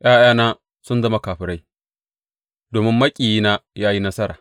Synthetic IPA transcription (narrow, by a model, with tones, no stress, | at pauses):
ʔaː˦jaː˦naː˦ | sʊ˦nzɐ˦ma˦kaː˨ɸɪ˨ɾa˦j | doː˨mɪ˦mːɐ˦kʲʼiː˨jiː˦naː˦jaː˦ji˦nɐ˦sɐ˦ɾa̰ː˨